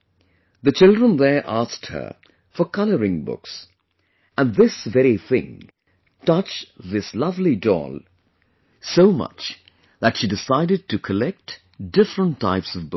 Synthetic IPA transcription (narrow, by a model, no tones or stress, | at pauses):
ðɨt͡ʃɪlˠdɹə̃nðə˞ʔask̚t̚hə̰˞ | fə˞kʰʌlˠəɹɪ̃ŋbʊ̰ks | ə̃nðɪsvɛɹiθɪ̰̃ŋ | tʌt͡ʃðɪslʌvlidɔ̰lˠ | soʊmʌ̰t͡ʃ | ðɨtʃidɨsaɪɾɨd̚tɨkʰəlɛk̚t | d̥ɪfɹə̃ntʰa̰ɪpsʌvbʊ